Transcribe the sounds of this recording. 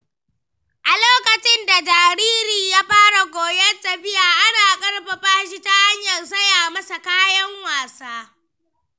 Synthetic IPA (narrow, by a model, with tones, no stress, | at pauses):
ʔa˨loː˦kɐ˨t͡ʃɪ˦nda˨d͡ʒaː˨ɾiː˦ɾiː˨jaː˦ɸaː˦ɽa˨ɡʷoː˨jɐ˦ta˨ɸɪ˦jaː˨ʔa˦naː˨kʼɐ˦ɽɸɐ˨ɸaː˦ʃi˦ta˦ha˦ɲjɐ˨ns̬ɐ˦jaː˨mɐ˦sa˨kaː˦jɐ˦ŋwaː˨saː˦